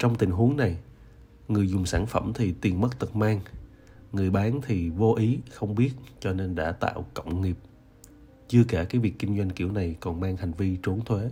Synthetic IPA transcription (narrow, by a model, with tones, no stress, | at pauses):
t͡ɕɔ˧wŋ͡mt̪ï˨˩ŋ̟ɦu˨˦əŋna˨˩j | ŋɨ˨˩əjzʊ˨˩ŋ͡msaː˧˩nfə˧˩mt̪ʰi˨˩t̪i˨˩ənmə˦˥t̚t̪ɨ˨˩t̚maː˧ŋ | ŋɨ˨˩əjɓaː˨˦nt̪ʰi˨˩vo˧ʔi˨˦xə˧wŋ͡mɓi˦˥ət̚t͡ɕɔ˧ne˧nɗa̰ː˧˥t̪a̰ː˧˨wkə̰˧˨wŋ͡mŋi˨˩əp̚ | t͡ɕɨ˧əkaː˧˩kaː˨˦jvi˨˩kːï˧ŋ̟zwa˧jŋ̟ki˧˩əwna˨˩jkɔ˨˩nmaː˧ŋha˨˩jŋ̟vi˧t͡ɕu˨˦əŋt̪ʰwe˨˦